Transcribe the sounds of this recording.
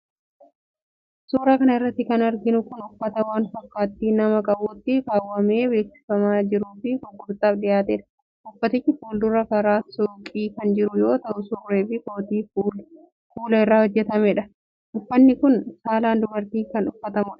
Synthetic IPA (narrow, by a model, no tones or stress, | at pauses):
suːɾaːkɐnɐɪrːɐt̪ːɪkɐnɐɾɡɪnʊkʊnʊfːɐt̪ɐwaːnfɐkːaːt̪ːiːnɐmɐkʼɐbuːt̪ːɪkaːwːɐme̞ːbe̞ːksɪ̥fɐmaːd͡ʒɪɾuːfɪkɔɡːʊɾt̪ʼaːbᶑɪjaːt̪ɛᶑɐ̥ | ʔʊfːɐt̪ɪt͡ʃːɪfuːld̪ʊrːɐkɐɾaːsʊkʼiːkɐnd͡ʒɪɾʊjo̞ːt̪ɐʔʊsʊrːeːbɪkoːt̪iːfːl | fuːlɐɪrːaːhɔd͡ʒːɛt̪ɐmɛᶑɐ | ʔʊfːɐnːɪkʊnsaːlaːnd̪ʊbɐɾt̪iːkɐnʊfːɐt̪ɐmʊᶑɐ̥